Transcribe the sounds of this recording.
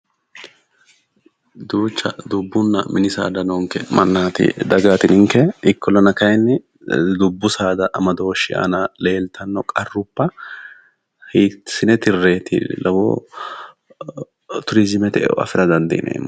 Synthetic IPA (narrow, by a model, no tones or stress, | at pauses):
d̪uːt͡ʃːɐd̪ʊbːʊnːɐ̰mʔɪnɪsa̰ːd̪ɐnoŋkɛ̰mɐnːaːt̪ɪ̰d̪ɐɡaːt̪ɪnɪŋkːɛɪkːɔlɐnɐkɐjnːɪ | d̪ʊbːʊsaːd̪ɐʔɐmɐd̪oːʃɪʔa̰nɐle̞ːlt̪ʰɐnːɔkʼɐrːʊpːɐ | hiːsɪnɛt̪ɪrːe̞ːt̪ɪ̰lɐwo̰ː | t̪ʊɾɪzɪmɛt̪ɛɛ̰ɐ̰fɪɾɐd̪ɐnd̪ɐɪnʔḛːmː